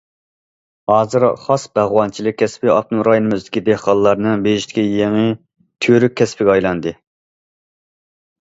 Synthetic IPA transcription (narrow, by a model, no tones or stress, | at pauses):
hɑːzɨɾχɑsbæʁwɑnt͡ʃʰilˠɪk̚ʲʰːɛspɪɑ̰p̚nɨŋɾɑjinɨmyzd̪ɪkʲʰid̪ehqɑlˠlːˠɑɾnɨbeiʃt̪ɪ̥kʲijeŋɨ | t̪ʰyɾyk̚ʲʰːɛspɪɡʲɛɑjlˠɑnd̪ɨ